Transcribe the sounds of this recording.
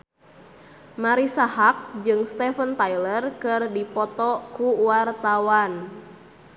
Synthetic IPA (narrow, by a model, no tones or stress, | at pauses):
maɾisahak̚d͡ʒɨŋst̪ɛfənt̪ailərkɨrdipɔt̪ɔkuwart̪awan